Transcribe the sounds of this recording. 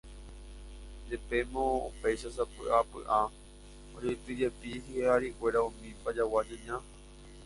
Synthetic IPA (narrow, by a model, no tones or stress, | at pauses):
d͡ʒepe̞mõopejʃasapɨ̰ʔapɨ̰ʔa | od͡ʒojt̪ɨd͡ʒepiɦiheaɾiʔwe̞ɾaũmĩpad͡ʒawad͡ʒɨ̃ɲã